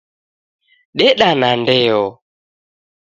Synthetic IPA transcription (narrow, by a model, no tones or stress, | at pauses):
ɗɛɗanandɛɔ